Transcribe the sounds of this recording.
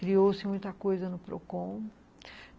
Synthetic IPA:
kɾiowsɪmũj̃t̪ɐkojzɐnʊpɾo̰kõ

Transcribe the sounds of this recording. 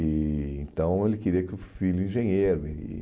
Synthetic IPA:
ɪẽnt̪ɐ̃w̃elɪkeɾiɐkɪʊfilʊĩʒẽɲeɾʊ̰

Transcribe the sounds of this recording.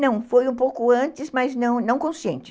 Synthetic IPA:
nɐ̃w̃fojũpowkʊɐ̃nt͡ʃɪzmaznɐ̃w̃nɐ̃w̃kõsiḛ̃nt͡ʃɪ

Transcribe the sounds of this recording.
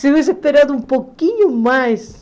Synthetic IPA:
sɪvis̬ehpeɾad̪ʊũmpokiɲʊmajs

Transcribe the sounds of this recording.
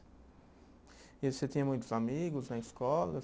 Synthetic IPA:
ɪoset̪ĩɲɐmũj̃t̪ʊzamiɡʊznɐɪskɔlɐ

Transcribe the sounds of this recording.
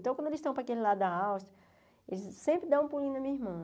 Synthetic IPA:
t̪ɐ̃wkɐ̃d̪elɪsʃt̪ɐ̃w̃pɾɐkelilad̪ɐawʃt̪ɐ | elɪzsẽmpɾɪd̪ɐ̃w̃ũpulĩd̪ɐmĩɐiɦmɐ̃

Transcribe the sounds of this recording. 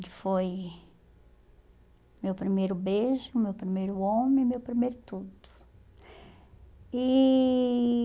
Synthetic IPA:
lɪfoj | mewpɾimejɾʊbeʒʊmewpɾimejɾʊõmẽmewpɾimejɾʊt̪ud̪ʊ̥ | i

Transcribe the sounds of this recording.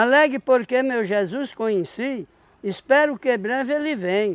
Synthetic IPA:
alɛɡɪpoɾkemewʒezuskõjẽsi | ispɛɾʊkebɾɛvelɪvẽj̃

